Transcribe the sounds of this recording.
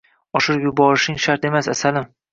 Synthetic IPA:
ɒʃɪɾjʊbɒɾɪʃɪŋʃaɾt̪e̞masasalɪm

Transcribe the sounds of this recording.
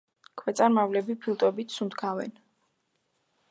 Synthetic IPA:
kʰwɛt̪sʼaɾmavlɛbipʰilˠt̪ʼwɛbit̪ʰsund̪ɡʰavɛ̰n

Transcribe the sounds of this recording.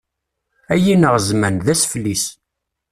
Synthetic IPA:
æjinəʁzmænðæsflːis

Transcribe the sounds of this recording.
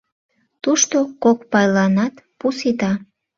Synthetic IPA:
t̪uʃt̪okok̚pɑjlɑnɑt̪pusit̪ɑ

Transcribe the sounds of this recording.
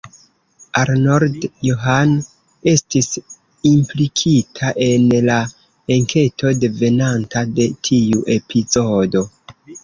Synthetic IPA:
aɾnoɾdjoɦan | e̞stis | implikʰitʰaʔe̞nla | eŋkʰe̞tʰo̞de̞ve̞nantade̞tʰiuʔe̞pʰizo̞do̞

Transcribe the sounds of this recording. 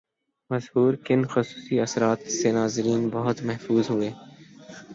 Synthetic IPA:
mɐzhuːɾkɪnxʊsu̥ːsiɐsɾaːt̪senaːzɪɾiːnbɐɦʊt̪mɐɦfuːzɦʊeː

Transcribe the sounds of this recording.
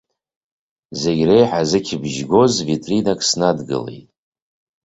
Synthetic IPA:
zeɡʲre̞jħazɨkʲʰbʒɡo̞zvitʼrinakʼsnadɡɨ̰le̞̰jtʼ

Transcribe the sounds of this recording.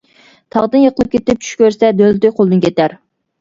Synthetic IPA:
t̪ʰɑʁd̪ɨnjəqʰəlˠɨp̚kʲʰet̪ɪp̚t͡ʃʰy̥ʃkʲʰøɾsɛd̪ølt̪yjqʰolˠd̪ɨnkʲʰet̪æɾ

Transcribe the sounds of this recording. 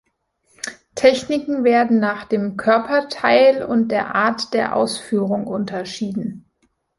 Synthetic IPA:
tʰɛçnɪkŋ̩veːɐdn̩naːχd̥eːmkʰœɐpɐtʰaɪlʊ̰nt̚d̥eːɐʔaːɐtd̥eːɐʔa̰ʊsfyːʁʊŋʔʊntʰɐʃiːdn̩

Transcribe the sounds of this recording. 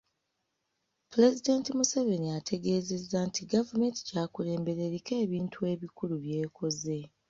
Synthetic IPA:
puɾe̞zidentimuseve̞niatʰe̞ɡe̞ːze̞zːantʰiɡavume̞nti̥caːkule̞ːmbe̞ɾe̞ɾike̞ːβiːntʰue̞ːβikuluβje̞ːkʰo̞ze̞

